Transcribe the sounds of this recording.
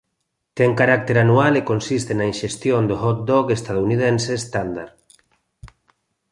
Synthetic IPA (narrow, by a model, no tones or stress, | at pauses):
t̪ɛŋkaɾak̚t̪eɾanualekonsist̪enainʃest̪jond̪ohot̪̚d̪ɔkest̪að̞ouniðenseːst̪and̪aɾ